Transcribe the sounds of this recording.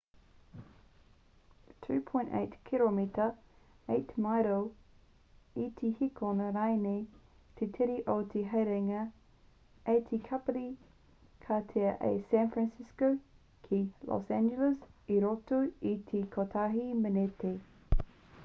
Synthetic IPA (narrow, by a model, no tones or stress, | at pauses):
tʰʉːpʰɔ̃jntḛɪtkʰilomitə | eɪtmajɾo | itʰihikʰonəɾaɪne | tʰetʰɛɾiʔot̪ʰeɦeɾeŋə | et̪ʰikʰapəli | kʰatʰeəʔḛsæ̃nfɹãnsɪsko | kʰilʔɔ̰sæ̃nd͡ʒələsiɾɔtuitʰikʰotʰaɦimənete